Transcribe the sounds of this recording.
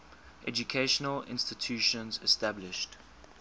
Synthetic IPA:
ʔɛd͡ʒukʰeɪʃənəlɪ̰̃nstɪtʰjuːʃə̃nzɛstablɪʃt

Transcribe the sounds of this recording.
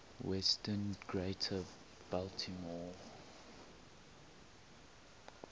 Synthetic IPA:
wɛstənɡɹetʰə | b̥altʰimɔ

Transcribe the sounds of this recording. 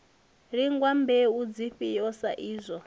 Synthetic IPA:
ɺiŋɡwambeud͡ziɸijɔsa̰ʔiːzʷɔ

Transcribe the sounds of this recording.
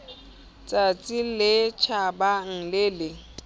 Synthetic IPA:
t͡sʼat͡sʼilɪt͡ʃʰabaŋ̩lɪlɪ

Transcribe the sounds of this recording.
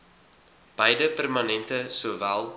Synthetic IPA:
b̥ɛjdəpærmɐnɛntəsuːvælˠ

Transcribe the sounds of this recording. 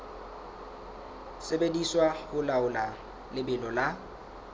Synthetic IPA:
sebediswahʊlaʊla | lɪbɪlɔla

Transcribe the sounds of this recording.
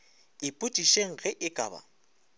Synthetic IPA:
ɪpʼutʼiʃeŋ̩ɣɛʔɪkʼa̰ːba̰

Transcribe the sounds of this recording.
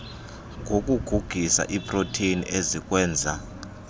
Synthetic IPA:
ŋɡʱok̬ʼuɡ̥ʱuɡ̥ʱisa̰ʔipʼrotʰenḭʔezik̬ʼwɛːnd͡zʱa

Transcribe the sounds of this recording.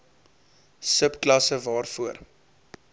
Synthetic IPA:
səpklɐsəvɑːrfuər

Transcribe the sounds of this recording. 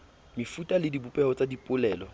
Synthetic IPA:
mɪfutʼalɪdibupʼɛhɔt͡sʼadipʼʊlɛːlɔ

